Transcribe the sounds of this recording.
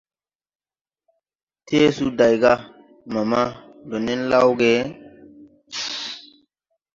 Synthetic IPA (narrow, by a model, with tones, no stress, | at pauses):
te˦su˦da˨jɡa˦ | ma˨ma˦do˨ne˦nla˦wɡe˦